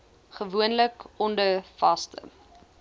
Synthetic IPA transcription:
χəvuənləkɔndəfɐstə̰

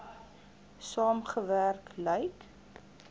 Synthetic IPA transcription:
sɑːmχəværkləjt

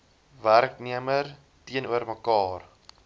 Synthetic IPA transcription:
værkniəmər | tiənuərməkɑːr

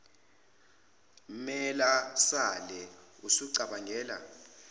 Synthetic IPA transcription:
mɛlasalɛusuǀaɓaŋʱɛːla̰

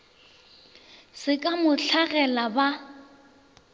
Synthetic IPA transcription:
sɪkʼamʊɬʰaɣɛlaba

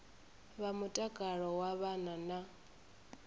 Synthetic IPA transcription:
βamutʼakʼaɺɔwaβanana

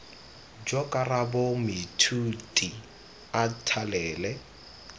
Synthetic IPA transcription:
d͡ʒɔkʼarabomɪtʰutʼi | atʰalɛːlɛ

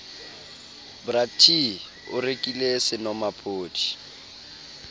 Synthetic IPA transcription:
bratʰi | ʊ̰rekʼilesɪnɔmapʰoːtʰi̥

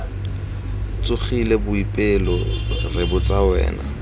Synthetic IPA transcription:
t͡sʼʊχilebʊipʼɪlɔrɪbʊt͡sʼawɛ̰ːna̰

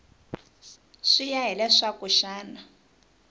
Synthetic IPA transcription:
ʂijaɦɛlɛʂakuʃaːna

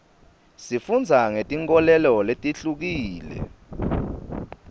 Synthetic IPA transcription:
sifund͡zʱaŋetʼiŋkʼɔlɛlɔletʼiɬuk̬iːlɛ̰

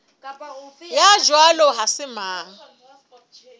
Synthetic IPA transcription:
jad͡ʒwalɔɦasɪmaːŋ̩

